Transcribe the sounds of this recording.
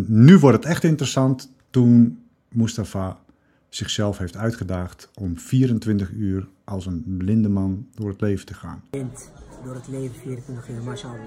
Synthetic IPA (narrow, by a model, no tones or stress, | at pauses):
nyʋʊrtətɛxtɪntərəsɑntː | un | mustafa | sɪxsɛlˠfheːftœɥtχədaːxtɔmfiːəɾəntʋɪntəχyːər | ʔɔlˠsənblɪndəmandʊːrətleːvəntəxa̰ːnɪntdoːrətleːvəfiəɾəntɪntəxyːrmasa